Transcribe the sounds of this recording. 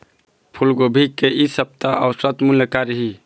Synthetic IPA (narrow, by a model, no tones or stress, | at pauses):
pʰulɡobʱikːeʔisəp̚t̪aʔɔʊsət̪muləkaɾɦi